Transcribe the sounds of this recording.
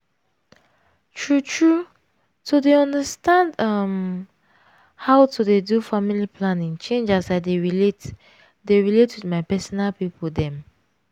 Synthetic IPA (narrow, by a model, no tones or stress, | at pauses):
tʰɹutʰɹu | tudeɔ̃ndəstãndʌm | haʊtʰudedufamilipʰlãnĩŋt͡ʃẽnd͡ʒasaɪdeɹilet | deɹiletwidmaɪpɛsɔnalpipɔldɛ̃m